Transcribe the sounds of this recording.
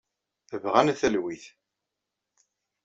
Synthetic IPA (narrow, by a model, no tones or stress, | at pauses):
əvʁænθəlwiθ